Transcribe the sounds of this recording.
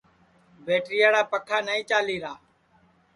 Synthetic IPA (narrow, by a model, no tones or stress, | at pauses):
beːʈɾɪjaːɽaːpəkʰaːnaːĩːt͡ʃaːliːɾaː